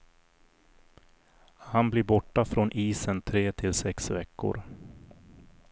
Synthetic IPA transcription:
hanblɪɾbɔʈːafɾonʔiːsənt̪ʰɾeːt̪ʰɪlsɛksvɛkːʊ̰ɾ

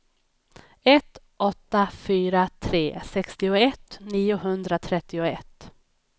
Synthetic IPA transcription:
ɛt̪ | ʔɔt̪ːafyːɾat̪ʰɾeːsɛkst̪ɪʊɛt̪niːʊɦɵnd̪ɾat̪ʰɾɛt̪ːɪʊɛt̪ː

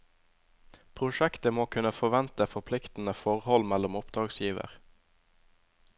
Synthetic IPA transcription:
pʰʁʊʃɛkt̪əmoːkʰʉnəfɔʋɛnt̪əfɔpʰlɪkt̪n̩əfɔʁhɔlmælʊmʊpd̪ʁɑːɡsjiːʋə̰ʁ

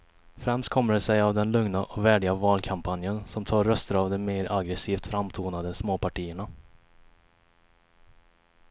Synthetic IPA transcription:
fɾɛmst̪̚kʰɔmːəɖɛsɛjavd̪ɛnlɵŋnaʔɔvæːɖɪɡavɑːlkʰampʰanjənsɔmt̪ʰɑːɾːœst̪əɾavd̪ɛmeːɾaɡɾɛsiːft̪fɾamt̪ʰuːnad̪əsmoːpʰaʈiːəɳa

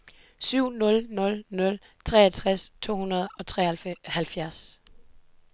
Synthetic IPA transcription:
syʊ̰nɔ̽lnɔ̽lnɔ̽l | t͡sʰʁɛ̰ːæt͡sʰʁast͡sʰo̝̰ːhunɐð̞̩ˠɒ̽t͡sʰʁɛhælfjæɐs

